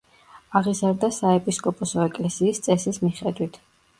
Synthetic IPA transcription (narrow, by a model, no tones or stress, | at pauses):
aʁizaɾd̪asaɛpʼiskʼɔpʼɔsɔɛkʼlɛsiːst̪sʼɛsismiχɛd̪wit̪ʰ